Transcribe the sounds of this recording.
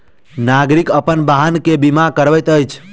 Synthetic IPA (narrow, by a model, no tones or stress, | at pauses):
naɡɾikəpənbaɦənkebimãkəɾʋət̪əjt͡ʃʰ